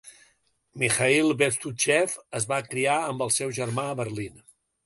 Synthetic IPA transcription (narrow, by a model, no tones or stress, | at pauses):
mixailˠbeɾt̪ut͡ʃɛfəzβakɾiaəmbəlˠsɛwʒəɾmaəβərlin